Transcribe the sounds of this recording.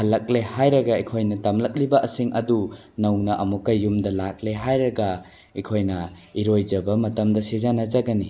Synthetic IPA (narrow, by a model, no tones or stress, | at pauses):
hɐlːɐk̚lehajɾɐɡɐikʰojnɐtɐmlɐk̚libɐʔɐsiŋɐdu | nɐwnɐʔɐmukːɐjumdɐlak̚leɦajɾɐɡɐ | ikʰojnɐ | iɾojd͡ʒɐbɐmɐtɐmdɐsezanɐzɐɡɐni